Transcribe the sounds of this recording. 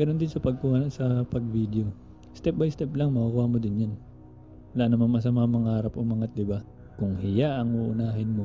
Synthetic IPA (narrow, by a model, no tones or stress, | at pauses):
ɡɐno̞nd̪ɪnsɐpɐɡ̚kuːhasɐpɐɡvid̪eo̞ | st̪ɛp̚bɐjst̪ɛplɐŋmɐkakuːhamod̪ɪnjan | ɐlaːnɐmɐnmɐs̬ɐmaamɐŋahaːɾɐpomɐŋɐt̪̚d̪ɪba | kʊŋhɪjaʔɐŋuːʔʊnaːɦɪnmo